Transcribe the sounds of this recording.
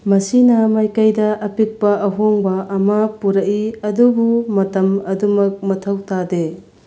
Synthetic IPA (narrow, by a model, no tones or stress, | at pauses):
mɐsinɐmajkɐjdɐʔɐpik̚pɐʔɐɦoŋbɐʔɐmɐpuɾɐkiɐdubumɐtɐmɐdumɐk̚mɐtʰɐwtade